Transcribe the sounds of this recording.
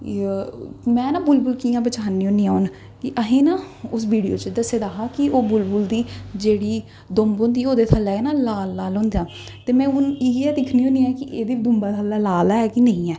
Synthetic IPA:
mɛ̃ːnãːbʊlbʊlkiːãːbət͡ʃaːniːoːniːaːʊn | kɪʔəɦẽːnãːʊs̬ʋiːɽijo̰ːt͡ʃəd̪əseːd̪aːɦaːkɪoːbʊlbʊld̪iːd͡ʒeːɽiː | d̪ombõːnd̪iːoːd̪eːt̪ʰaːlɛːeːnaːlaːlːaːlɦõːnd̪ejaː | t̪eːmɛ̃ːʊnɪɛːd̪ɪkʰnĩːõːniːɛːkɪʔeːd̪iːd̪ʊmbaːt̪ʰaːlɛːlaːlaːɛːkinə̃ĩːɛː

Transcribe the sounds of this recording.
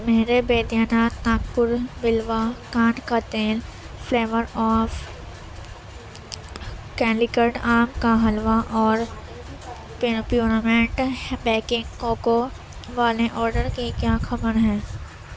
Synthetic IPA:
meɦɾebeːd̪jaːnaːt̪naːkpʊɾbɪlʋakaːnkat̪eːl | pʰleːʋəɾɔːf | kɛːlɪkəɾɖaːmkaɦɐlʋaʔɔːɾ | ppjuːnamẽɳʈbɛːkɪ̃ŋɡkoːko | ʋaːleʔɔːɾɖəɾkikjaːxʰɐbəɾɦɛ̃ː

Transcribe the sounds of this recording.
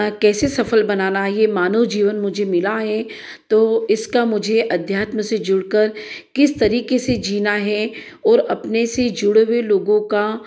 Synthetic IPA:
kɛːsesɐfəlbɐnaːnajemaːnəʋd͡ʒiːʋənmʊd͡ʒʱemɪlaɦɛ | t̪oːɪskamʊd͡ʒʱeʔɐd̪ʱjaːt̪məsed͡ʒʊɽkəɾkɪst̪ɐɾiːkesed͡ʒiːnaɦɛ | ɔːɾɐpnesed͡ʒʊɽʋeloːɡõka

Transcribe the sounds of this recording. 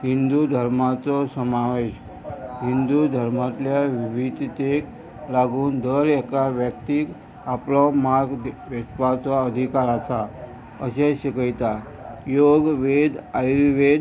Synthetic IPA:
ɦind̪ud̪ʱəɾmat͡sɔsəmaʋeɕ | ɦind̪ud̪ʱəɾmat̪ljaʋiʋid̪ʱt̪ek | laɡuːnd̪əɾɛkaʋjək̚t̪iːk | aplɔmaɾɡ̪ʋespat͡sɔəd̪ʱikaɾasa | əɕeɕikəjt̪a | joɡʋed̪ajɾiʋed̪

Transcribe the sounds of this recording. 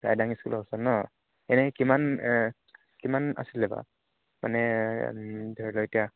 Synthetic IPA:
ɹa̰jdaŋiskṵlɔsanɔ | ɛnɛkiman | kimana̰silɛba̰ | ma̰nɛ | dʱɔɹilɔetija

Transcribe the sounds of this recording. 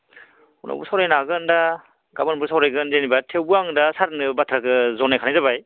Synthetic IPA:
unʔa̰bṵsawɾajnaɡɯnda | ɡabɯnbuɾsawɾajɡɯnzenibatʰewbɯaŋdasaɾnɯbatʰɾakɯzɔnajkʰanajzabaj

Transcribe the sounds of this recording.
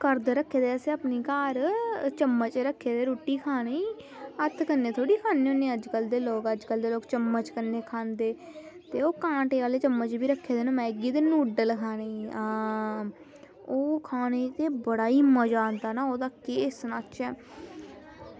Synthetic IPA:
kəɾd̪ɾəkʰːeːd̪eːəseːaːpniːkaːɾt͡ʃəmːət͡ʃɾəkʰːeːd̪eːɾuːʈːiːkʰaːneiː | ət̪ʰkənːeːt̪ʰoːɽiːkʰaːneːõːneːəd͡ʒkəld̪eːloːkəd͡ʒkəld̪eːloːkt͡ʃəmːət͡ʃkənːeːkʰaːnd̪eː | t̪eːoːkãːʈeːʋaːleːt͡ʃəmːət͡ʃbiːɾəkʰːeːd̪eːnõːmɛ̃ːɪɡiːt̪eːnuːɖəlkʰaːneː | oːkʰaːneːt̪eːbəɽaːiːməd͡ʒaːnd̪aːnaːoːd̪aːkeːsnaːt͡ʃɛː

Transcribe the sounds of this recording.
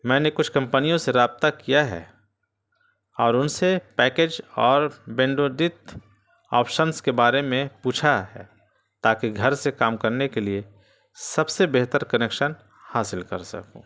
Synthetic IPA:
mɛ̃ːnekʊt͡ʃʰkɐ̃mpənijõseɾaːb̚t̪akijaɦɛ̰ | ɔːɾʊnsepɛːkeːd͡ʒɔːɾbẽːɳɖod̪ɪt̪ | ɔːpʰʃənskebaːɾemẽpuːt͡ʃʰaɦɛ̰ː | t̪aːkiɡʱɐɾsekaːmkɐɾnekelie | sɐbsebeɦt̪əɾkɐneːkʃən | haːsɪlkɐɾsɐ̰kṵ̃ː

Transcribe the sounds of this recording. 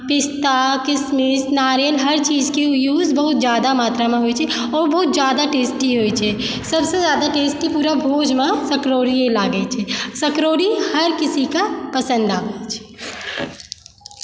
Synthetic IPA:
pɪst̪akɪsmɪsnaːɾjəlɦɐɾt͡ʃiːzkeʊjuːzbɐɦʊt̪zjaːd̪amaːt̪ɾamãɦoːit͡ʃʰɛ | ɔːɾbɐɦʊt̪̚zjaːd̪aʈeːsʈiɦoit͡ʃʰɛː | sɐbsezjaːd̪aʈeːsʈipuːɾabʱoːd͡ʒmãsɐkɾoːɾiẽlaːɡəit͡ʃʰɛsɐkɾoːɾihɐɾkɪsikapɐsə̃nd̪aːbet͡ʃʰɛ̥ː

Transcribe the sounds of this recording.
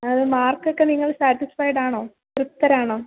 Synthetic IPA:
ɐðɨmaːrkːokːe̞niŋːɐɭsaːʈːisfɐjɖaːɳoː | trut̪ːɐɾaːɳoː

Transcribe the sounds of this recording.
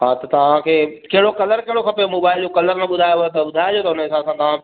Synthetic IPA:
ɦaːt̪ɐt̪ɐʋ̤ãkʰeːkɐɦɪɽokɐləɾkɐɦɪɽokʰɐpemoːbaːɪld͡ʑokɐləɾnɐɓʊd̪ʱaːjot̪ɐɓʊd̪ʱaːɪd͡ʑoːt̪ɐʊnəɪsãsãt̪ɐʋ̤ã

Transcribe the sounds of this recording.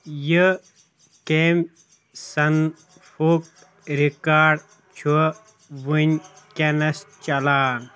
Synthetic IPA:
jə | keːm | sɐn | fuk̚ | ɾikaːɖ | t͡ʃʰu | ʋuɲʲ | kenɐst͡ʃɐlaːn

